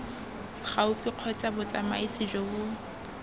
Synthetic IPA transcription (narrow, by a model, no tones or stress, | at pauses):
χaʊfiq͡χʰɔt͡sʼabʊt͡sʼama̰isɪʒɔbʊ